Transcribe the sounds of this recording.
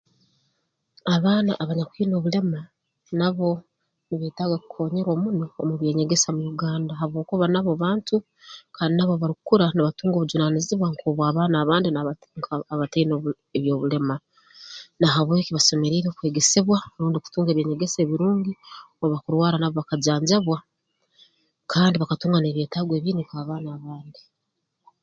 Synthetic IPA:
aβaːna̰ʔːβaɲakʷuiːno̞ːβule̞ma | naβo̞ | niβeːtaːɡakukʰo̞ːɲeɾwomunoomuβje̞ːɲe̞ɡe̞samuɾuɡaːndaɦaβwo̞ːkuβanaβoβaːntu | kaːndinaβoβaɾukuɾaniβatuːŋɡo̞βud͡ʒunaniziβwaŋkʰoβwaːβaːnaːβaːndina | ŋkːβateino | eβjo̞ːβule̞ma | naɦaβwe̞kiβaso̞me̞ɾiːɾekwe̞ːɡe̞seβwaɾuːndiku̥tuːŋɡeβje̞ɲe̞ɡeseːβiɾuːŋɡi | oβakuɾwaːɾanaβoβakaɟaːɲɟaβwa | kʰaːndiβakatuːŋɡane̞ːβjeːtaːɡwe̞ːβiːnikaːβaːnaːβaːndi

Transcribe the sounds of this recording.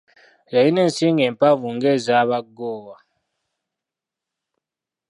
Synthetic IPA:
jainɛnsiŋɛmpavuŋɡɛzaβaɡɔːwa

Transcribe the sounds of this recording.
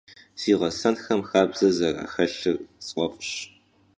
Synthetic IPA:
siːʁɐsɐnxɐmxaːbz̥ɐzɐra̰ːxɐɬɨrt͡sʼʔʷʼɔpʼɕ

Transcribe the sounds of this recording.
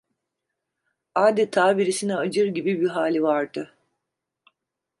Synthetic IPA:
aːd̪ɛt̪ʰaːbiɾisinɛad͡ʒɯɾɟibibiɦaːlʲivaɾd̪ɯ

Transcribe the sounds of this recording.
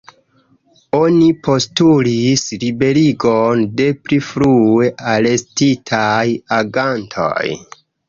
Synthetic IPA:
onipʰo̞stulislibe̞ɾiɡonde̞pɾifɾue̞ʔale̞stitʰajaɡantʰo̰j

